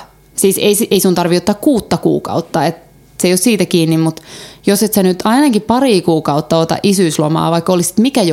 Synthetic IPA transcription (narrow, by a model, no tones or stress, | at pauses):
siːseisiʔeisunt̪ɑrʋiot̪ːɑkkuːt̪ːɑkṵːkɑ̰ut̪ːɑet̪ | seijossiːt̪ækiːnːimmut̪joset̪senyt̪ɑinɑkippɑriːkuːkɑut̪ːɑot̪ɑ̰ʔisyislomɑ̰ːʋɑikːolisi̥t̪mikæj